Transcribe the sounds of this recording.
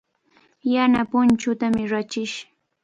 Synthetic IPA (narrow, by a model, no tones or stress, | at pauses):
janapʊnt͡ʃʊt̪amɪɾat͡ʃɪʃ